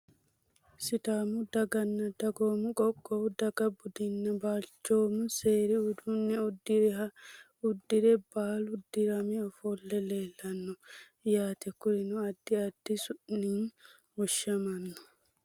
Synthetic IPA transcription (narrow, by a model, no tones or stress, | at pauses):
sɪt̪aːmʊd̪ɐɡɐnːɐd̪ɐɡoːmʊkʼɔkʼːɔwd̪ɐɡɐbʊd̪ɪnːɛbaːlt͡ʃːoːmʊseːɾiʊd̪unːɛʊd̪ːɪɾɛɦɐ | ʊd̪ːɪɾɛbaːlʊd̪ɪɾɐmɛɔfolːɛleːlːɐnːɔ | jaːt̪ɛkːʊɾɪnʊɐd̪̥ːɪɐd̪̥ːɪsʊʔnin | wɔʃːɐmɐnːɔ